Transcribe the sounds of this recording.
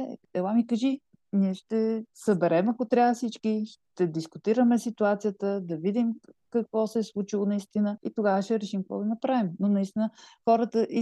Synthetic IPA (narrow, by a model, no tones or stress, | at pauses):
ɛɛlamikəʒi | niɛʃt̪ɛsəbɛɾɛmɐkot̪ɾʲavəfsit͡ʃkiʃt̪ɛd̪iskʊt̪iɾəmɛsit̪uat̪sijət̪əd̪ɐvid̪imkɐkvɔsɛːslˠut͡ʃilˠonɐist̪inəit̪oɡavəʃt̪ɛɾɛʃimkvɔ̰ɡ̪inɐpɾavimnonɐist̪inəxɔɾət̪əʔi